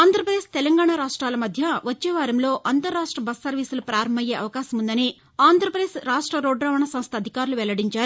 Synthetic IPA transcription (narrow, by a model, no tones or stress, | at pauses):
aːnd̪ʱɾɐpɾɐd̪eːʂt̪ɛlɐŋɡaːɳaːɾaːʂʈɾaːlɐmɐd̪ʱjɐʋɐt͡ʃːɛːʋaːɾɐmlo̞ːʔɐnt̪ɐɾːaːʂʈɾɐbɐsːɐɾʋiːsulupɾaːɾɐmbɐje̞ːɐʋɐkaːʃɐmund̪ɐni | aːnd̪ʱɾɐpɐd̪esɾaːʂʈɾɐɾoːɖɾaːʋɐɳɐsɐmst̪ʰɐd̪ʱikaːɾuluʋɛlɐɽiɲt͡ʃaːɾu